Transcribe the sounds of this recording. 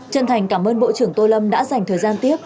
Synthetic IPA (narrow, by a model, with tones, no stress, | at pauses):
t͡ɕə̰˧˨nt̪ʰa˨˩jŋ̟kaː˧˩mʔəː˧nɓo̰˧˨t͡ɕɨ˧˩əŋt̪o˧lə˧mɗa̰ː˧˥za˨˩jŋ̟t̪ʰəː˨˩jzaː˧nt̪i˦˥əp̚